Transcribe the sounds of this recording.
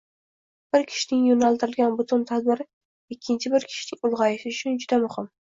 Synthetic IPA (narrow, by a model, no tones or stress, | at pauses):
b̥ɪɾkʲʰɪ̥ʃɪnɪŋjonalˠt̪ɪɾɪlɡʲanbʊt̪ʰʊnt̪ʰad̪̚bɪɾɪ | ɪkʲʰːɪnt͡ʃʰɪbɪɾkʲʰɪ̥ʃɪnɪŋʊlˠʁɑjɪʃɪʊt͡ʃʰʊnd͡ʒʊd̪amʊhɪm